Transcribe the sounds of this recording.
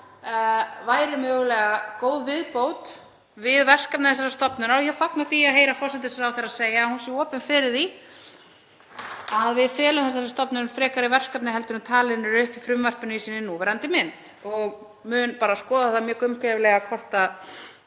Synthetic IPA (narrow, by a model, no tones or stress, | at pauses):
vaːjɾɪmœːɣlɛːɣakoːwðvɪðpoːwt̪ | vɪðvɛr̥kap̚nɪθɛs̬aɾast̪ɔpnʏnawçɛfaknaθiaðɦeːjɾafɔr̥sɪnt̪̬ɪsɾawθeɾaðseːjahunsjɛɔːpɪnfɪɾɪɾ̥θi | aðvɪðfɛːlamθɛs̬aɾast̪ɔpnʏnfɾɛːkaɾɪvɛr̥kapnɪɦɛlt̪ʏnʏmt̪ʰaːlɪðnʏɾʏhpifɾʏmvar̥pʏnʏisiːnɪnuvɛːɾant̪ɪmɪnt̪ | ɔɣ | mʏːnpaːɾaskɔːðaðθɛθamjœːkʏmkɛvlɛɣakʰɔr̥t̪a